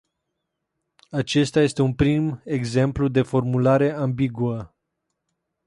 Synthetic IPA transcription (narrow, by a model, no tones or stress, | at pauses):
at͡ʃe̞st̪aje̞st̪eunpɾime̞ɡze̞mplud̪e̞fo̞rmulaɾe̞ambiɡuə